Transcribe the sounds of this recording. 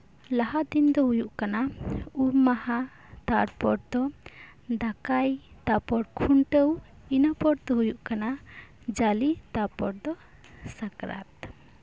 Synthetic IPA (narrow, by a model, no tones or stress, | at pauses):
laɦad̪ind̪ɔɦujuʔkanauɾmaha | t̪aɽpɔɖ̚d̪ɔ | d̪akajt̪apɔɽkʰuɳʈəw | inapɔɽd̪ɔɦujuʔkana | d͡ʒalit̪apɔɽ̚d̪ɔ | sakɾa̰t̪